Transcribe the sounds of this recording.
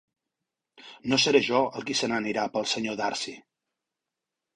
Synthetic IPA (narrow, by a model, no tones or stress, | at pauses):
nosəɾeʒɔəlˠkisənəniɾapəlˠsəɲoðaɾsi